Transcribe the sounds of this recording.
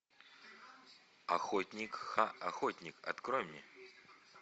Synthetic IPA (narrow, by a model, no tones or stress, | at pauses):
ɐxotʲnʲikxaɐxotʲnʲikɐ̰t̪krojmʲnʲɛ